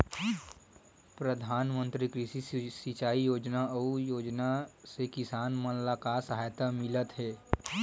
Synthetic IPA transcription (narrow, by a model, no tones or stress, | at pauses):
pɾəd̪ʱaːnmə̃nt̪ɾikɾɪʃisit͡ʃaːijoːd͡ʒnaujoːd͡ʒnasekɪsaːnmənlakasəɦaːjt̪amɪlət̪ɦɛː